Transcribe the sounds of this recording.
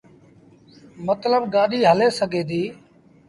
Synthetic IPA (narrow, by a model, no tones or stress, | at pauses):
mət̪ləbɡaːɗiːɦəleːsəɡʱeːd̪iː